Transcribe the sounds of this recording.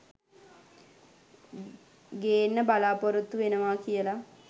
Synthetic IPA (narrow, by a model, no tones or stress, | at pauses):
ɡeːnːəbalaːpoɾut̪ːuʋenəʋaːkijəla